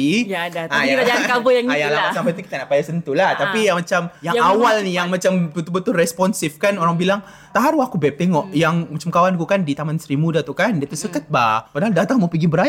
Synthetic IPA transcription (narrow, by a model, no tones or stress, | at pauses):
ijadaajaakabəjaŋajaŋlapat̪sampajt̪uki̥t̪anaʔpajasənt̪ulaht̪apijaŋmat͡ʃamjaŋawalnijaŋmat͡ʃamt̪ut̪ubət̪urɛspɔnsɪfkanoɾaŋbilaŋ | t̪aɦaɾuakubɛp̚t̪eŋɔʔjaŋmat͡ʃamkawankukandit̪amansɾimudat̪ukandiat̪usəkət̪̚bapənaldat̪aŋmapiɡibəɾaja